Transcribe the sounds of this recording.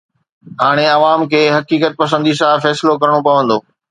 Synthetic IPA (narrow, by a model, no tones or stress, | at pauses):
ɦaːɽ̃eɐʋaːmkʰeːɦɐkiːkət̪̚pɐs̬ə̃nd̪is̬ãfɛːsɪlokɐɾɽ̃opɐʋə̃nd̪oː